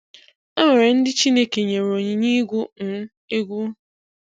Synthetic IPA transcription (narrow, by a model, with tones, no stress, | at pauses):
e˦me˨ɾe˨n̩˦dɪ˦t͡ʃi˦ne˦ke˨ɲe˨ɾo˨ɲɪ˨ɲi˦ɡʷu˦n̩˨˦ | e˦ɡʷu˦